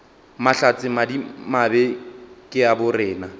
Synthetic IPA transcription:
maɬat͡sʼɪmadimabɛkʼɪabʊrɪːna

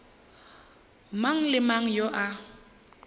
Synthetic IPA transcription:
maŋ̩lɪmaŋ̩joʔa

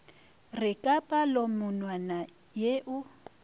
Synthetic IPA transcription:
rɪkʼapʼalomʊnwana | jeʔʊ

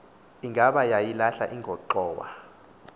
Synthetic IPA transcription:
iŋɡʱaɓajajilaɬa̰ʔiŋɡʱɔǃɔːwa̰

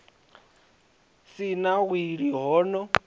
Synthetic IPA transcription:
sinaɣwiɺiɦɔːnɔ

